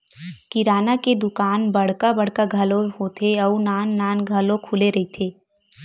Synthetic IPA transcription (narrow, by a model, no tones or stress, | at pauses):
kiɾaːnaked̪ʊkaːnbɐɽ̤kabɐɽkaɡʱɐloɦot̪ʰeɔːnaːnːaːnɡʱəlõkʰuːleɾɐɦit̪ʰeː